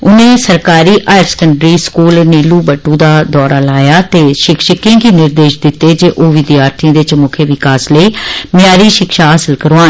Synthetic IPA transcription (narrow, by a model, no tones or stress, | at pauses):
ʊnẽːsəɾkaːɾiːʔaːɪɾsə̥kəɳɖɾiːskuːlniːluːbəʈːũːd̪aːd̪ɔːɾaːlaːjaːt̪eːʃɪkʃɪkẽːɡiːnɪɾd̪eːʃd̪ɪt̪ːeːd͡ʒeːʔoːʋɪd̪jaːɾt̪ʰĩd̪ɪt͡ʃmʊkʰjəʋɪkaːsləiːmɪjaːɾiːʃɪkʃaːɦaːsəlkəɾoaːn